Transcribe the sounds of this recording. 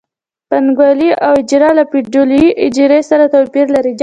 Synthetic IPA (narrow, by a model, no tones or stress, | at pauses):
panɡwaliʔawɪd͡ʒiɾɑlapiɖuliʔɪd͡ʒiɾesaɾat̪awpiɾlaɾid